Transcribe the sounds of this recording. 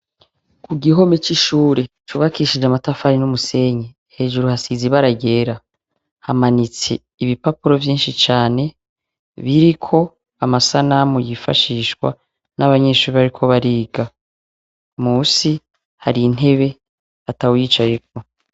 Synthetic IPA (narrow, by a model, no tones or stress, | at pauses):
kʰuɡiɦo̞met͡ʃiʃuːɾe̞t͡ʃuːβakiʃid͡ʒamatafaɾinumuse̞ɲe | he̞ːʒuɾuhasiziβaɾaɟe̞ːɾa | hamanit͡se̞̰ | iβipapuɾo̞vjiːnʃit͡ʃaːne̞ | βiɾikʰo̞ | amasanamujifa̰ʃiːʃkwa̰ | naβaɲe̞ːʃuːɾiβaɾikʰo̞βaɾiːɡa | muːsi | haɾin̥e̞βe̞ | atawjiːt͡ʃajek̚o̞